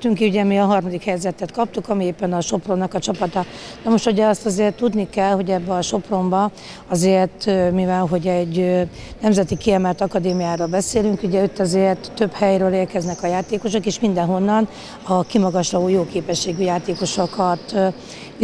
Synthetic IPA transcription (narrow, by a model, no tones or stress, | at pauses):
t̪yŋkiuɟɛmiɒɦɒrmɒd̪ikhɛjzɛt̪ɛt̪kɒp̚t̪ukɒmieːpːɛnɒʃo̞pro̞nːɒkɒt͡ʃɒpɒt̪ɒ | nɒmoʃt̪uɟɛɒst̪ɒzeːrt̪ːud̪nikɛlho̞ɟɛbːɛɒʃo̞pro̞mbɒ | ɒzeːrt̪mivɛlɦo̞ɟɛɟː | nɛmzɛt̪ikiɛmɛlt̪ɒkɒd̪eːmijaːɾoːlbɛseːlyŋkuɟɛøt̪ːɛzeːrt̪ːø̞phɛjɾøːleːrkɛznɛkɒjaːt̪eːko̞ʃo̞keːʃmind̪ɛnɦo̞nːɒn | ɒkimɒɡɒʃrɒoːjoːkeːpɛʃːeːɡyjaːt̪eːko̞ʃokɒt̪